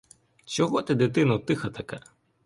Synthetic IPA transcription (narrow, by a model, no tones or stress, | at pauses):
t͡ʃɔɦɔt̪ɛd̪ɪt̪ɪnɐt̪ɪxɐt̪ɐkɛ